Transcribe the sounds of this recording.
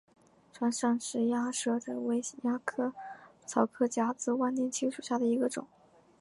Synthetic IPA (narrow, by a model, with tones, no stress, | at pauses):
ʈ͡ʂʰwa˧˥nʂɑ˥˧ŋʂɻ̩˧˥ja˥ʂɤ˥˩ʈ͡ʂə˨˩we˥ɪɕi˨˩nja˥kʰɤ˥˩t͡sʰɑ˧˥ʊkʰɤ˥t͡ɕja˥t͡sɹ̩˥˧wa˥nt̪jɛ˥˧nt͡ɕʰi˥ŋʂu˨˩ɕja˥˩d̪ə˩i˧˥ɡə˧ʈ͡ʂʊ̰˨˩˦ŋ